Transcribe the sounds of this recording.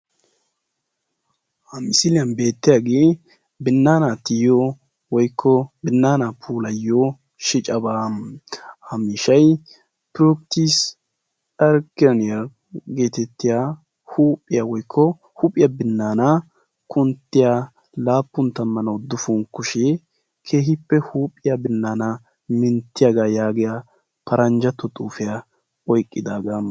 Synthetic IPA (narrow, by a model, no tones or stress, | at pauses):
hɐmɪsɪlɪjɐnbe̞ːt̪ːɪjaːɡeː | bɪnːaːnaːt̪ɪjɔ | wɔjkʰːɔbɪnːaːnapʰuːlɐjːo | ʃɪt͡ʃʼɐbaːmhɐmiːʃɐj | pɾɔkt̪is | ɐɾkɐnɪjɐ | ɡe̞ːt̪ɛt̪ːɪja | huːpʼːɪjawɔjkʰːɔ | hupʼɪjabɪnːaːnɐ | kʰʊnt̪ːɪja | laːpːʊnt̪ːɐmːɐnɐwd̪ʊfʊŋkːʊʃɛ | kʰe̞ːɦɪpːɛhuːpʼːɪjabɪnːaːnɐ | mɪnt̪ːɪjaɡaːjaːɡɪja | pʰɐɾʔɐnd͡ʒɐt̪ːɔt̪ʼuːfɪja | ɔjkʼːɪd̪aːɡa